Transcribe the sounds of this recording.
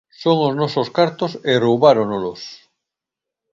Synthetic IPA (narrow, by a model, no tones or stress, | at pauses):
soŋoznososkaɾt̪oserowβaɾonolos